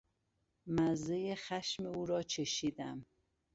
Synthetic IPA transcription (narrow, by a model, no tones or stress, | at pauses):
mæzejexæʃmeuːɾɒːt͡ʃʰeʃiːd̪æm